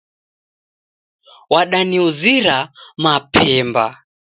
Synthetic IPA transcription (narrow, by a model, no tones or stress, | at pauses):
waɗaniuziɾamapʰɛmba